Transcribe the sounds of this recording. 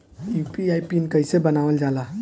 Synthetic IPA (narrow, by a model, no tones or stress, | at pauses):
jupiajpinkəɪsebənaʋəld͡ʒala